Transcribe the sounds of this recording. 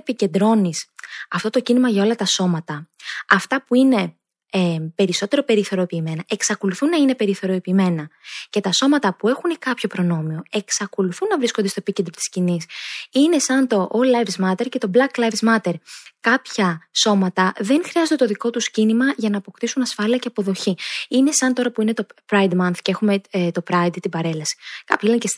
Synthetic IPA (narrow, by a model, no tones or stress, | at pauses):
pice̞nd̪ɾo̞nisɐft̪o̞t̪o̞cinimɐʝɐo̞lɐt̪ɐso̞mɐt̪ɐɐft̪ɐpuine̞ | pe̞ɾiso̞t̪e̞ɾo̞pe̞ɾiθo̞ɾo̞piːme̞nɐʔe̞ksɐko̞luθunːɐine̞pe̞ɾiθo̞ɾo̞piːme̞nɐce̞t̪ɐso̞mɐt̪ɐpue̞xunekɐpço̞pɾo̞no̞mio̞e̞ksɐko̞luθunːɐvɾisko̞nd̪est̪oepicend̪ɾo̞t̪i̥scinisine̞sɐnt̪o̞ʔolɐjvzmɐt̪eɾce̞t̪o̞blɐklɐvzmɐt̪e̞ɾkɐpçɐso̞mɐt̪ɐðe̞nxɾiɐzod̪et̪oðiko̞t̪uscinimɐʝɐnɐːpo̞kt̪isunɐsfɐliɐceɐpo̞ðo̞çiine̞sɐnt̪o̞ɾɐpuine̞t̪o̞pɾɐjd̪mɐnθcee̞xume̞t̪o̞pɾɐjd̪t̪ibɐɾe̞lɐsi̥kɐpçilences